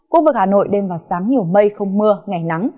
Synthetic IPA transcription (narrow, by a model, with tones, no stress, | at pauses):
ku˧˦˥vɨ˨˩k̚haː˨˩no̰˧˨jɗe˧mvaː˨˩wsaː˨˦ŋɲi˨˩əwmə˧jxə˧wŋ͡mmɨ˧əŋa˨˩jna˨˦ŋ